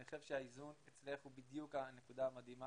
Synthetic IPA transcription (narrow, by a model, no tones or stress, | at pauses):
eχevʃeaizunet͡sleχubid̪jukane̞kud̪aamad̪ima